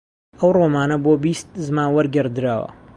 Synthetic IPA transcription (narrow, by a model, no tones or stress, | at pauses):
ɐwroːmaːnɐboːbiːst̪̚zmaːnwɐɾɡɐɾd̪ɨɾaːwɐ̰